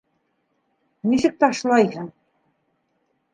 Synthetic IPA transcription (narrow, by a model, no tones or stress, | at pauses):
nʲiʃɘ̆k̚t̪ɑʃlˠɑjhɤ̆